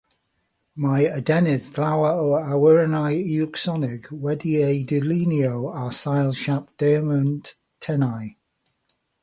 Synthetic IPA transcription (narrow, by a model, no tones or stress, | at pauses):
majədɛnɪðflawəoawɪɹənajjuksɔnɪɡwɛdieɪdɪliniowasajlˠʃap̚d̥ɛːmənt | tʰːɛnaj